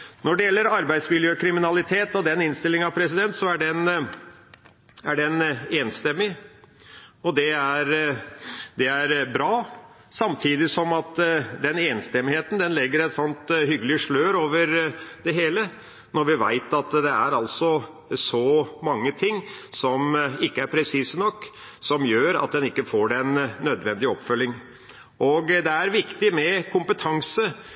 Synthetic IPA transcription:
nɔɖɛjɛlːəɾɑɾbæɪd̪smɪljøːkʰɾɪmɪnɑlɪt̪ʰeːt̪ɔd̪ɛnɪnst̪ɪlːɪŋənɑʋpʰɾɛsɪd̪ɛnt̪sɔæɖɛn | æɖɛneːnst̪ɛmːɪ | ɔd̪ɛæɾ | d̪ɛæɾbɾɑː | sɑmt̪ʰiːd̪ɪsɔmɑt̪d̪ɛneːnst̪ɛmːɪheːt̪n̩d̪ɛnlɛɡːəɾɛt̪lɔnt̪ɦʏɡəlɪʂɭøːɾoːʋəɾd̪ɛɦeːlə | nɔɾʋɪʋæ̰ɪt̪ɑt̪d̪ɛæɾɑlsɔ | sɔmɑŋːət̪ʰɪŋːsɔmɪkːəæɾpʰɾɛsiːsənɔkː | sɔmjøːɾɑ̰t̪̚d̪ɛnɪkːəfoːɖɛnːœd̪ʋɛnd̪ɪɔpfœlːɪŋ | ʔɔɡd̪ɛæɾʋɪkt̪ɪmɛkʰʊmpət̪ʰɑŋsə

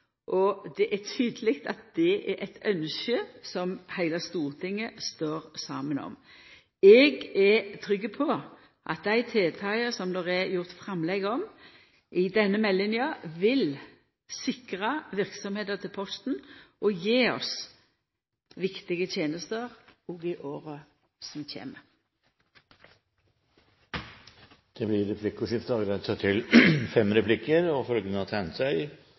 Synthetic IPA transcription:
ʔɔd̪ɛʔætʰyːd̪əlɪɡt̪ɑ̰t̪̚d̪̥ɛɛʔɛt̪œnʃəsɔmhæɪlɑst̪uːʁt̪ʰɪŋːəst̪oːɾsɑ̰ːmənɔ̰m | ɛɡɛt̪ʰɾʏɡːəpʰɔ | ʔɑ̰t̪̚d̪æɪt̪ʰeːt̪ʰɑɪəsɔmd̪ɔʁɛjʊʁt̪fɾɑmlɛɡɔm | ʔɪd̪ɛnːəmɛlːɪnjɪɑʋɪl | sɪkʁɑʋɪʁksɔmheːd̪əʁt̪ʰɪlpʰɔst̪n̩ʔɔjeːɔ̰s | ʋɪkt̪ɪɡət̪ʰjeːnəst̪əʁɔːɡɪʔoːʁə | sɔmçḛːmə | d̪̥ɛblɪɾɛpʰlɪkʊʂɪft̪ɑɡɾɛt̪sɑt̪ʰɪlfɛmɾɛpʰlɪkːəɾɔfœlɡənəhɑt̪ʰɛnt̪sæɪ

